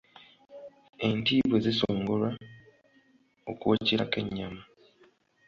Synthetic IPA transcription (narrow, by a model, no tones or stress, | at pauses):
e̞ntiːβwe̞zisoːŋɡolwa | o̰kwociɾakeɲːamu